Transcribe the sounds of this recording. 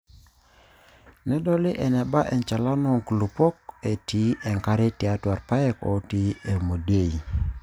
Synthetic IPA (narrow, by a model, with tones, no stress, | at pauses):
nɛ˦dɔ˦li˦ʔɛ˨nɛ˨ba˦ʔɛ˨ɲt͡ʃa˨la˦nɔ˨ŋku˨lu˨pɔ˦k̚e˨ti˨˦ʔɛ˨ŋka˦ɾi˦ti˨a˦twa˨ɾpa˦ɛ˦kɔ˨ti˦e˨mo˨de˦˨i˨